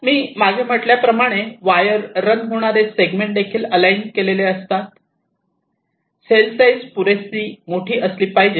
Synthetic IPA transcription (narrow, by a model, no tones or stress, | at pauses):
miːmaɡʱem̤əʈljapɾəmaɽ̃eʋajəɾːənɦoɽ̃aɾeseɡmẽɳʈ̚d̪ekʰiːləlajnkeleleəst̪at̪ | selsajzpuɾesiːmoʈʰiːʔəsliːpaɦid͡ʑe